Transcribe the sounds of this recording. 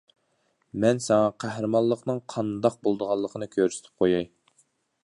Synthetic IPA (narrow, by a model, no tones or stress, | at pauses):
mɛnsɛŋɑqʰæhɾɨmɑllˠːəqnɨŋqʰɑnd̪ɑq̚bolˠd̪əʁɑlˠːəqʰənɨkʲʰøɾsɪ̥t̪ʰɪ̥p̚qʰojɑj